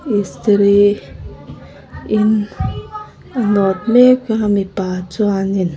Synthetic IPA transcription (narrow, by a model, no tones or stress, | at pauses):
ist̪ɾi | in | anɔt̪mekamipat͡suanin